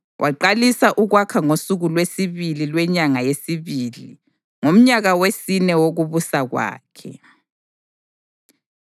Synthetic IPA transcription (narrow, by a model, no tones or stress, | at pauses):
wʔaǃalisaʔuɣwakʰaŋosuɣulwesiβililwɛɲaŋajesiβiːli | ŋom̩ɲaɣawesinɛwoɣuβusaɣwa̰ːkʰɛ̰